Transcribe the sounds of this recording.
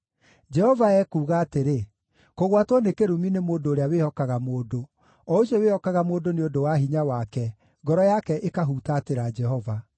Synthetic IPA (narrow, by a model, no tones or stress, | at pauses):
d͡ʒɛhɔvaɛkuːɣaːteɾe | koɣwatwɔnekeɾuminemoːdoːɾeawehɔkaɣamoːdo | ɔoɕjɔwehɔkaɣamoːdoneodowaɦiɲawakɛ | ŋɡɔɾɔjakɛʔekaɦutateɾad͡ʒɛɦɔva